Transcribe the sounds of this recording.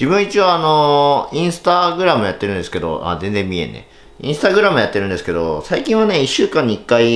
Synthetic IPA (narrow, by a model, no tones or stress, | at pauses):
d͡ʑibɯ̟̃ɰ̃it͡ɕiaːno̞ĩɰ̃sɨ̥t̪aɡɯ̟ɾamɯjat̪ːeɾɯ̟̃nd̪e̞sɨ̥ke̞d̪o̞̰a̰zẽnd͡zẽ̞mːʲie̞̰nḛ | ḭ̃sɨ̥t̪aɡɯ̟ɾamɯ̟jat̪ːeɾɯ̟̃nd̪esɨ̥ke̞d̪o̞saikʲĩɰ̃βane̞iɕːɨːkãɲːiikːai